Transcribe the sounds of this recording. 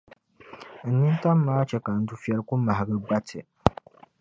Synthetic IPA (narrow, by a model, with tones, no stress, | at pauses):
n̩˦ni˦nta˦mːaː˦t͡ʃɛ˦ka˨n̩˦du˦fjɛ˦lku˦ma˨ha˨ɡɨ˦ɡ͡ba˦tʰɨ˨